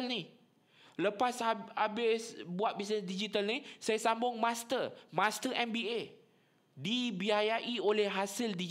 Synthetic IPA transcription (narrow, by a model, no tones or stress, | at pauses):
lni | ləpasaabɪsbuat̪̚bis̬nəsdid͡ʒit̪alnisajasambʊŋmãst̪ərmãst̪əʔɛmbie | dibiajaʔiolɛhɦasɪldi